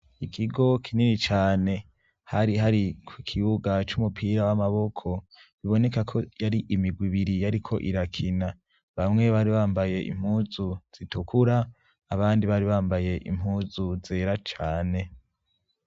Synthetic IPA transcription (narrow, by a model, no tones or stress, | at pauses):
ikʰiɡo̞kʰininit͡ʃaːne̞ | haɾiɦaɾikʰwikʰiβuɡat͡ʃumupʰiɾawamaβo̞kʰo̞ | βiβo̞ne̞kakʰo̞jaɾiʔimiɡwiβiɾijaɾikʰo̞ʔiɾakʰina | βamŋe̞βaɾiβaːmbaje̞ʔḭm̥huːzuz̥itukʰuɾaː | βaːndiβaɾiβaːmbaje̞ʔḭm̥huːzuze̞ːɾat͡ʃaːne̞